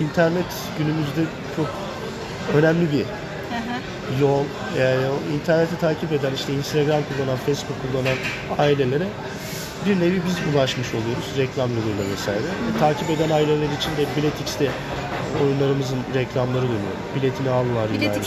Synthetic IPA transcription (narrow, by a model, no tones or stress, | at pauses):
int̪ʰæɾnɛt̪ | ɟ̥ynymyzd̪ɛ | t͡ʃʰo̞k | ø̞næmlʲibi | jo̞lˠ | eæɾint̪ʰæɾnet̪ʰɛt̪ʰaːcʰipe̞d̪æniʃt̪ʰɛinst̪ʰaɡɾamkʰulˠːananfejsbukʰːulˠːanan | aːilʲe̞lʲe̞ɾɛ | biɾne̞vibizulˠaʃmɯʃo̞lˠujo̞ɾuz̥ɾɛclʲamjolˠujlˠavɛsa̰ːjɾɛt̪ʰaːcʰipe̞d̪ænaːilʲelʲeɾiːt͡ʃʰind̪ɛbilʲet̪ʰicst̪ʰɛ | o̞̰junlˠaɾɯmɯzɯnɾɛclʲamlˠaɾɯd̪ynyjoɾṵbilʲe̞t̪ʰinialˠɯlˠaɾjinaɾ